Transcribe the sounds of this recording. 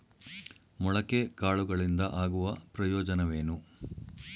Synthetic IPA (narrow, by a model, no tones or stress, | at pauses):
mɔɭɐkːekaːɭuɡɐɭind̪ɐʔaːɡuʋɐpɾɐjoːd͡ʒɐnɐʋeːnu